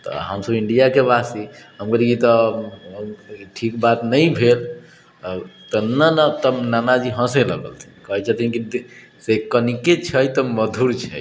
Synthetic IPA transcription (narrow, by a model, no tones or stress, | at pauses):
t̪ɔ̰ɦəmsəbiɳɖijakebasiɦəmɡəɾit̪ɔ | ʈʰikbat̪nəjbʱel | t̪ɔnənət̪ənanad͡ʒiɦə̃selə̰ɡə̰lt̪ʰi̥kɔɦɛt͡ʃat̪ĩnki | sekəniket͡ʃʰəjt̪ɔməd̪ʱuɾt͡ʃʰə̰j